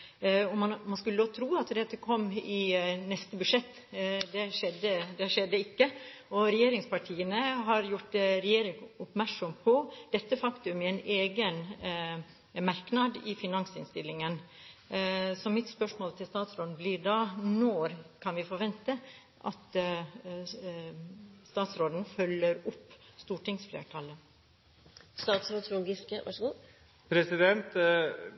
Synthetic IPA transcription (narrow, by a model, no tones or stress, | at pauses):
ɔmɑmɑnskʉlːət̪ʰɾuːɑt̪d̪ɛt̪ːəkʰɔmːɪnɛst̪əbʉʂɛt̪ːd̪ɛʂɛd̪ːəd̪ɛʂɛd̪ːəɪkːəɔɾɛjeːɾɪŋspɑʈʰiːənəɦɑɾjʊʈɾɛjeːɾɪŋʊpmæɾksɔmpʰɔd̪̥ɛt̪ːəfɑkt̪ʉmɪɛneːɡən | mɑɾknɑd̪ɪfɪnɑŋsɪ̰nst̪ɪlːɪŋən | sɔmɪt̪spœʂmoːlt̪ʰɪlst̪ɑːt̪sɾoːd̪n̩blɪɖɑnɔɾkʰɑnʋɪfɔɾʋɛnt̪ə | ʔɑ̰t̪ | st̪ɑːt̪sɾoːd̪n̩fœlːəɾʊpːst̪uːʈɪŋsflḛːʈʰɑlə | st̪ɑːt̪sɾoːd̪flʊɡɪskəʋɑ̰ʂəɡuː | pʰɾɛsɪd̪ɛnt̪